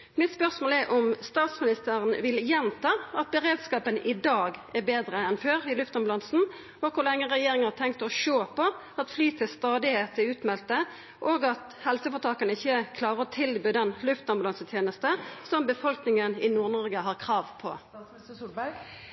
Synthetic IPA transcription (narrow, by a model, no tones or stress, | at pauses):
mɪt̪spœʁsmoːlɛɾʔɔmst̪ɑːt̪smɪnɪst̪æːʁənʋɪljɛnt̪ʰɑːɑt̪̚bəʁeːd̪skɑːpənɪd̪ɑːɡɛʁbeːd̪ɾəɛnføːɾɪlʉft̪ɑnmblɑnsn̩ | ɔkʰʊlɛŋːəʁɛjeːɾɪŋhɑt̪ʰɛŋkt̪ɔʃoːpʰɔ | ɑt̪flyːt̪ʰɪlst̪ɑːd̪ɪheːt̪ɪʉːt̪mɛlt̪ə | ʔoːɡɑt̪ | hɛlsəfɔt̪ʰɑːkənəɪçːəkʰlɑːɾəʁɔt̪ʰɪlbøːd̪ɛnlʉft̪ɔmblɑnsət̪ʰjeːnəst̪əsɔmbəfɔlknɪŋənɪnuːʁnɔʁɡəɦɑʁkʰɾɑːʋpʰɔ̰